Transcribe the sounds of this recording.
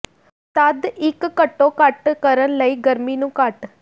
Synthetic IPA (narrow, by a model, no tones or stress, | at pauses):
t̪əd̪ɪkːəʈːõːkəʈkəɾənləiːɡəɾmiːnũːkəʈ